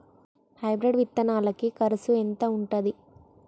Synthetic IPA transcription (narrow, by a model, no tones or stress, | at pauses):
hɐjbɾiɖʋit̪ːɐnaːlɐkikɐɾɐsuent̪ɐuɳʈɐd̪i